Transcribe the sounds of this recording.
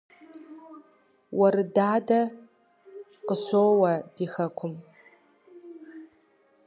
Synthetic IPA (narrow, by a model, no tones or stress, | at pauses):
wɐɾɨdaːdɐ | qəɕoːwɐd̥iːxɐkʷʰʊm